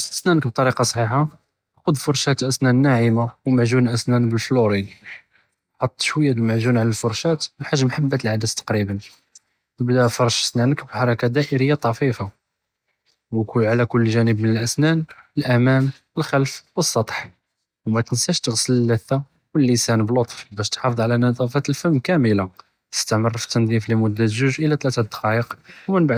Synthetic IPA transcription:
əsnænək̚b̚t̪ˤɑɾiqɑsˤħiħa | qʊd̪fʊɾˤʃæt̪ʔæsnænːaʕimawmaʕʒunʔæsnænbəlfluɾid̪ | ħɑt̪ˤːʃwəjːabəlmaʕʒunʕalælfʊɾˤʃæt̪wħaʒːmħabːat̪əlʕad̪əst̪ɑ̥qɾibən | əbd̪æfɑɾˤʃə̥snænəkbħɑɾˤɑkad̪æʔəɾəjːat̪ˤɑfifa | wkulʕalækʊlːʒænəbmənəlʔæsnænəlʔæmæn | wəlxælfwəsˤːɑt̪ˤħ | wmæt̪ənsæʃt̪əɣsələlːæθːa | wəlːisænblot̪ˤfbæʃt̪ħɑfəd̪ˤʕlænɑd̪ˤɑfæt̪əlfəmkæməla | t̪ə̥st̪aʕmərːft̪ːənd̪ˤiflimʊd̪ːæzuʒʔəlæt̪læt̪æt̪d̪ə̥qɑjəqwmənbaʕ

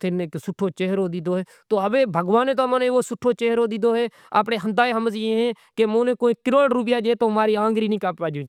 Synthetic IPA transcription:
t̪ʰɪneksʊʈʰːoːt͡ʃeːɦɾoːd̪ɪd̪oːɦeː | t̪oːəbeːbʱəɡʋaːnẽːt̪oːmãːneːoːsʊʈʰːoːt͡ʃeːɦɾoːd̪ɪd̪oːɦeː | a̰ːpneːɦənd̪aːeːɦəməzeɦɛ̃ːkemõːnẽːkoːĩːkɪɾoːlɖɾʊp̬jaːd͡ʒeːt̪oːɦmaːɾiːãːŋɡɾiːnĩːkaːppaːd͡ʒõː

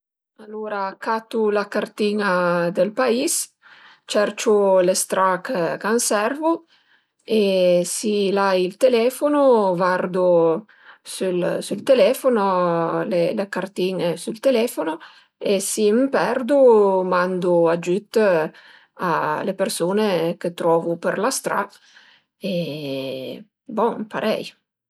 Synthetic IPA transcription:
alːoːɾakat̪ːulakart̪iːnad̪elpais | t͡ʃɛrt͡ʃulest̪ɾakkansɛrvu | esilajilt̪elɛːfonovard̪u | sulsult̪elɛːfonolelekart̪inesult̪elɛːfono | esimpɛrd̪umand̪uad͡ʒyt̪ː | a̰lepersoːneket̪ɾɔːvupeɾlast̪ɾa̰ | e | bɔpaɾʔɛ̰j

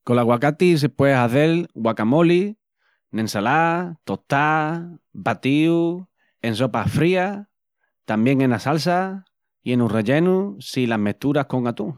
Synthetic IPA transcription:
kolaɣwakat̪is̬epwesaθelɣwakamoli | nensalat̪ot̪a | bat̪iu | e̞nso̞pafɾia | t̪ambje̞ŋenasalsa | ienureʎe̞nusilaɦmet̪uɾahkoŋat̪u

